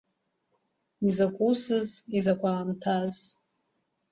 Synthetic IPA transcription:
izakʷʼusɨzizakʷʰaːmtʰaz

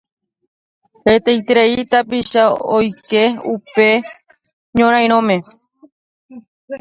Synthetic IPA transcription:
het̪ejt̪eɾeit̪apiʃaojke̞upe̞ | ɲõɾ̃ãj̃ɾ̃õmẽ̞

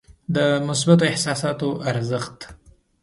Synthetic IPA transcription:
d̪əmʊsbat̪oɪhsɑsɑt̪oʔaɾzəxt̪

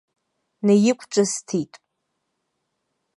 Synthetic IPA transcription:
najɪkʷʰʼʈ͡ʂʷʼastʰitʼ

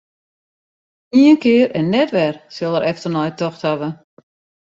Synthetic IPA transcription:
niənkɪəɾɛnːɛtʋɛrsɪlˠəɾʔɛftərnɔjtɔxthaʋə

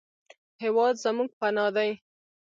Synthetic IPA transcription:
hewɑd̪zamuɡ̚panɑd̪aj

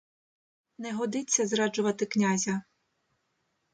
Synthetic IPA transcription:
nɛɦɔd̪ɪt͡sʲːɐzɾɑd͡ʒʊʋɐt̪ɪknʲazʲɐ

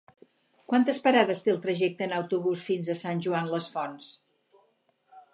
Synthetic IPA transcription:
kwant̪əspəɾaðəst̪eəlˠt̪ɾəʒɛk̚t̪əːnəwt̪uβusfinzəsanʲʒuanləsfɔns

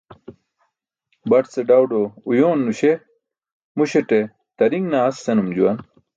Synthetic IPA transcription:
bɐʈseɖɐwɖoujoːnːuɕe | muɕeʈe | t̪ɐɾiŋɡnaɐsːenumd͡ʑuwɐn

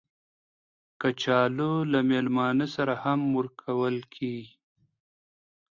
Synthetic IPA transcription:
kət͡ʃɑːlolamelmɑːnəsaɾahamːuɾkʰawəlkʰi

